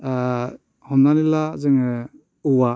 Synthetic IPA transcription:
hɔmnanilazɯŋɯ | uwa

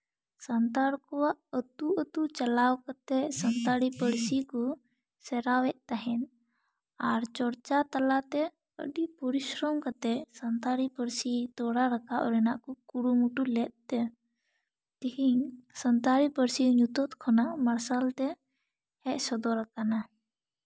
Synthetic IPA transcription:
sənt̪aɾkɔwaʔət̪uət̪ut͡ʃɐlawkat̪ɛsənt̪aɽipəɾsikɔ | sɛɾawɛʔ̚t̪aɦɛn | aɾt͡ʃɔɾt͡ʃat̪alat̪ɛ | ə̰ɖipɔɾisɾɔmkat̪ɛsənt̪aɽipəɾsit̪ɔɽaɾakaʔɔ̰ɾɛnaʔkɔkuɾumuʈulɛt̪̚t̪ɛ | t̪iɦisənt̪aɾipəɾsiɲut̪ɔt̪kʰɔnaʔməɾsalt̪ɛ | hɛʔsɔd̪ɔɾakana

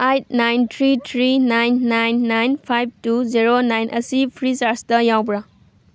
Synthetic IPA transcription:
ajt̚najntʰɾitʰɾinajnːajnːajnpʰajb̚tuziɾonajnʔɐsipʰɾisaɾstɐjawbɾa

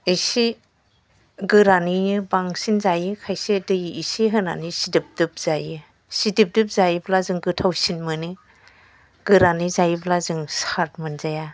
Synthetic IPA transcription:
isi | ɡɯɾaninɯbaŋsinzajɯkʰajsedɯjiisiɦɯna̰nisidip̚dɯp̚z̥ajɯ | sidip̚dɯp̚zajiblazɯŋɡɯtʰawsinmɯni | ɡ̥ɯɾanizajiblazɯŋsaɾt̚mɯnzaja

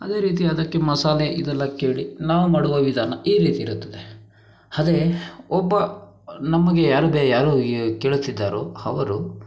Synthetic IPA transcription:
ɐd̪e̞ːɾiːt̪̬iɐd̪ɐkːe̞mɐsaːleʔid̪ɐlːɐke̞ːɭinaːʋumaːɽuʋɐʋid̪ʱaːnɐʔiːɾiːt̪iːɾut̪ːɐd̪e | ɐd̪eɔbːɐ | nɐmːɐɡe̞jaːɾubeːjaːɾukeːɭut̪ːid̪ːaːɾoːɐʋɐɾu

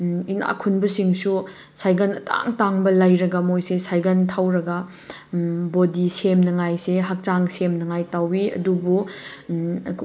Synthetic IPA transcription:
ina̰kʰunbɐsiŋsu | sajɡɐnɐta̰ŋtaŋbɐlɐjɾɐɡɐmojsesajɡɐntʰawɾɐɡɐ | bodisemnɐŋajseɦak̚t͡ʃaŋsemnɐŋajtawiɐ̰dubu

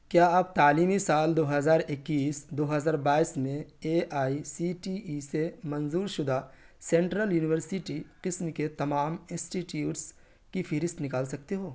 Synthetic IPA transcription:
kjaːaːp̚t̪aːliːmisaːld̪oːɦɐzaːɾɪkːiːsd̪oːɦɐzaːɾbaːismẽeːaːisiːʈiisemɐnzuːɾʃʊd̪a | sɛ̃ɳʈɾəljuːnɪʋəɾsɪʈiqɪsmket̪ɐmaːmɪ̃nsʈiʈjuːʈs | kifʰɪɾɪst̪nɪkaːlsɐk̚t̪eɦoː

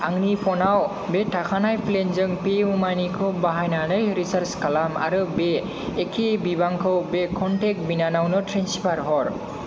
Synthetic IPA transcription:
aŋnipʰɔnaw | beʈʰakʰanajplenzɯŋpeumajnikʰɯwbaɦajnanɯjɾisaɾskalama̰ɾɯbeː | kʰebibaŋkʰɯwbekʰɔnʈek̚binanawnɔtɾensipʰaɾɦɔɹ

